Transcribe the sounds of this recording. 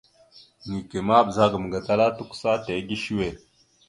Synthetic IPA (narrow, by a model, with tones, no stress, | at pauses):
ni˨ke˨ma˦bza˦ɡm˨ɡa˨ta˦la˦tu˦ku̥˦sa˦te˨˦ɡi˦ʃi˦we˨